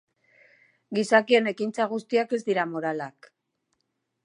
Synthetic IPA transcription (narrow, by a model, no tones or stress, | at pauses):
ɡisakie̞ne̞kint͡saɣ̞ust̪iake̞zd̪iɾamo̞ɾalak